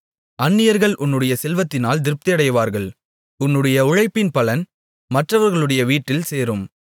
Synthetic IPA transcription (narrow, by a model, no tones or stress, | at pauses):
ɐnːɪjɐɾɣɐɭʔʊnːɯɽɐjɐsɛlʋɐt̪ːɪnaːld̪ɪɾɯp̚t̪ɪɐɽɐjʋaːɾɣɐɭ | ʊnːɯɽɐjɐʊɻɐɪpːɪnpɐlɐn | mɐʈrɐʋɐɾɣɐɭɯɽɐjɐʋiːʈːɪlseːɾɯm